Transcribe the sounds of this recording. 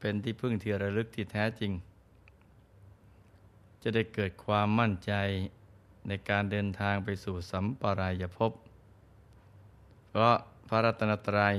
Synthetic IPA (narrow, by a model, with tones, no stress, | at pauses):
pe˧nt̪ʰiː˥˩pʰɯ˥˩ŋt̪ʰɯ˧˩əɾa˧lɯ˦˥k̚t̪ʰiː˥˩t̪ʰɛː˦˥t͡ɕi˧ŋ | t͡ɕa˨˩da˥˩jkɤː˨˩t̪̚kʰwaː˧mːa˥˩nt͡ɕa˧j | na˧jkaː˧ndɤː˧nt̪ʰaː˧ŋpa˧jsuː˨˩sa˩˦mpaː˧ɾa˧jːa˨˩pʰo˦˥p̚ | pʰɾɔ˦˥pʰa˦˥ɾa˦˥t̪ʰːa˧na˧t̪ːɾaː˧